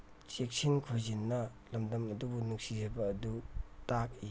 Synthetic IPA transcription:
t͡ʃek̚sinkʰojzinːɐ | lɐmdɐmɐdubunuk̚sizejbɐːdutak̚i

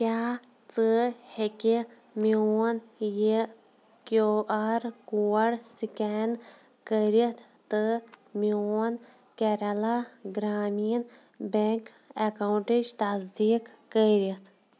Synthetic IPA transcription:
kʲjaː | t͡sɨheki | mionje | koʔaːɾkuːɐɽsiken | kəɾit̪ʰ | t̪ɨmion | keɾɐlaɡɾaːmiːn | beŋk | ekawɳʈed͡ʒt̪ɐzd̪iːkːəɾit̪ʰ

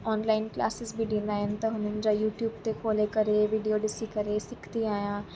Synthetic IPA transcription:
ɔːnlaːɪnkla̰ːsɪzbʱiɖĩːnd̪aːɦɪnɪ̆t̪ɐɦʊnənd͡ʑajuːʈjuːb̚t̪ekʰoːlekɐɾeʋiːɖijoɖɪsikɐɾesɪkʰt̪iaːjã

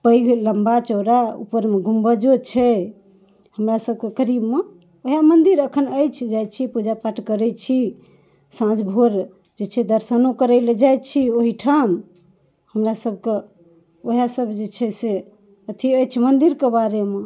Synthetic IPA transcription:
pəjɡləmbat͡ʃəɾaṵpəɾmeɡʱumbəd͡ʒot͡ʃʰɛ | həmɾasəb̚kekəɾibme | oɦamənd̪iɾəkʰənəjt͡ʃʰd͡ʒajt͡ʃʰipud͡ʒapaʈʰkəɾɛt͡ʃʰi | sãd͡ʒbʱoɾ | d͡ʒet͡ʃʰɛd̪əɾsənokəɾɛled͡ʒajt͡ʃʰioɦiʈʰam | həmɾasəb̚ʱke | oɦasəbʱd͡ʒet͡ʃʰɛse | ət̪ʰiəjt͡ʃʰɛmənd̪iɾkebaɾeme

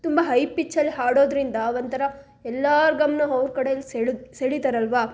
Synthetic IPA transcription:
t̪umbɐɦɐjpːit͡ʃːɐlːiɦaːɽoːd̪ɾind̪ɐːʋɐnt̪ɐɾɐ | ɛlːaːɾɡɐmnɐɐʋɾkɐɽeɐlːiseseɽit̪aːɾɐlʋaː

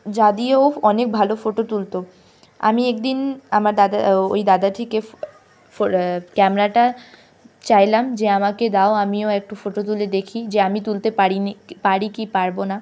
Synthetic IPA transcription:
d͡ʑad̪ieoɔnek̚bʱalofoʈot̪ult̪o | a̰miek̚d̪inamaɾd̪ad̪ao̰jd̪ad̪at̪ʰike | fokɛmeɾaʈa | t͡ɕajlamd͡ʑeamaked̪aoamioek̚ʈufoʈot̪̬uled̪ekʰid͡ʑeamit̪ult̪epaɾipaɾikipaɾbona

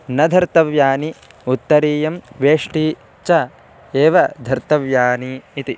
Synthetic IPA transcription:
nɐd̪ʱɐɾt̪ɐʋjaːni | ut̪ːɐɾiːjɐmʋeːʂʈi | t͡ʃɐ | eːʋɐd̪ʱɐɾt̪ɐʋjaːniːt̪i

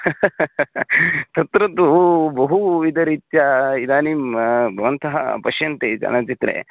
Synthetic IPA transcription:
t̪ɐt̪ɾɐd̪ubɐɦuid̪ɐɾiːt̪jɐid̪aːnimbʱɐʋɐnt̪ɐɦɐ̰pɐʃjɐnt̪ed͡ʒɐ̰nɐt͡ʃit̪ɾḛ

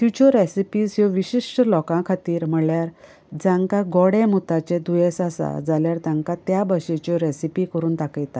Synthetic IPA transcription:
fjut͡ɕɔɾesipiːsjɔʋiɕiʂʈəlɔkãkʰat̪iːɾm̤əɭjaɾ | d͡zãŋkaɡɔɽemut̪at͡ɕẽd̪ujesasa̰d͡zaljaɾt̪jãŋkat̪jabəɕet͡ɕɔɾesipikəɾuːnt̪akəjt̪a

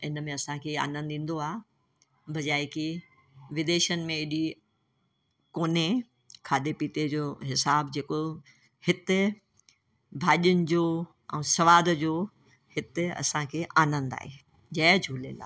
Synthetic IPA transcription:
ɪnəmẽɐsãkʰea̰ːnə̃nd̪ĩːn̆d̪oaː | bʱɐd͡ʑaːiki | ʋɪd̪eːʃənɪ̆mẽɪɗi | koːne | kʰaːd̪epiːt̪ed͡ʑoːɦɪsaːbd͡ʑeːko | hɪt̪ɪ | bʱaːʄiʊnɪ̆d͡ʑoː | ɛ̰̃ːsɐʋaːd̪d͡ʑoː | hɪt̪ɪɐ̰sãkʰeːʔaːnə̃nd̪a̰ːɦeː | d͡ʑɐːd͡ʑʱuːlela̰ː

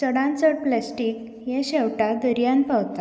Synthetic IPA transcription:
səɽãnt͡səɽplɛsʈik | jɛ̃ɕɛwʈad̪əɾjanpawt̪a

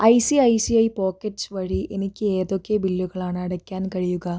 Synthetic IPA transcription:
ɐjsiɐjsiɐjpoːkeʈsʋɐɻiʔenikːieːd̪oːkːeːbilːuɡɐɭaːnɐɐɽɐkːaːnkɐɭijuɡɐ

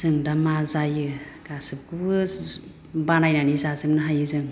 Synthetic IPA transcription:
zɯŋdamazajɯkasɯp̚kɯbɯ | banajnanizazɯmnɯɦajɯzɯŋ

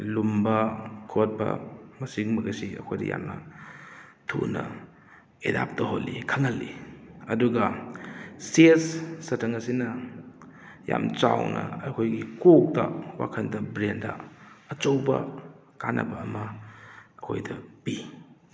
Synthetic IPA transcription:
lumbɐkʰot̚bɐ̰mɐsiŋmɐɡɐsiɐ̰kʰojdɐ̰ja̰mnɐ | tʰṵnɐ | edap̚tɐɦolːikʰaŋɐlːiɐduɡɐ | sesːɐtʰɐŋɐsinɐ | jamt͡ʃawnʔɐɐkʰojɡikok̚tɐwakʰɐndɐbɾendɐ̰ɐt͡ʃowbɐ̰ | kanʔɐ̰bɐːmɐ | ɐkʰojdɐpi

